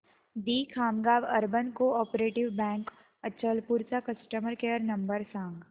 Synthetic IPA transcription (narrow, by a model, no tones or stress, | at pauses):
d̪iːkʰaːmɡaːʋɐɾbənkoɔːpɾeːʈɪʋbɛ̃ːŋk | ət͡ʃʰəlpuɾt͡ʃakɐsʈəməɾkeːəɾnɐmbəɾsãːŋɡ